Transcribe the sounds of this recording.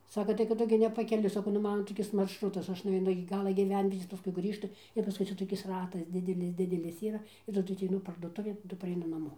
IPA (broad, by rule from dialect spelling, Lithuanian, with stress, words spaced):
ˈsɑːkɐ tɐɪ kɐt ˈtʊ ɡʲɪ nʲɛpɐkʲɛˈlʲʊɪ sɐˈkɐʊ nʊˈmɑːnɐ toːˈkʲɪs mɐrʃˈrʊtɐs ɐʃ nʊʋʲɛɪˈnʊ ɪkʲɪ ˈɡɑːlˠɐ ɡʲiːˈʋʲɛnʲʋʲiɛtʲeːs pɐˈskʊɪ ˈɡrʲiːʃtʊ ɪr pɐˈskʊɪ ˈt͡sʲɛ toːˈkʲɪs ˈrɑːtɐs ˈdʲɪdʲɛlʲɪs ˈdʲɪdʲɛlʲɪs ˈiːrɐ ɪr tɐˈdʊ ɐtʲɛɪˈnʊ pɐrduɔˈtʊʋʲeːn tɐˈdʊ pɐrʲɛɪˈnʊ nɐˈmoː